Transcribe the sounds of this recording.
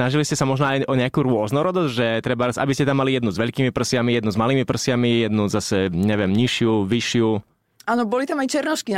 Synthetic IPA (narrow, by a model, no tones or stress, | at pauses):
naʒiliscɛsamɔʒnɔajʔɔɲɛakuɾʊɔznɔɾɔd̪ɔzɟʒɛt̪ɾɛbaɾat͡sʔa̰biscɛt̪amːalijɛd̪nuzʋɛʎkiːmipr̩sɪamijɛd̪nuzmaliːmipr̩sɪamijɛd̪nuzasɛɲɛʋɪɛmɲiʃɪuʋiʃɪu | aːnɔbɔlit̪amajt͡ʃɛɾnɔʃki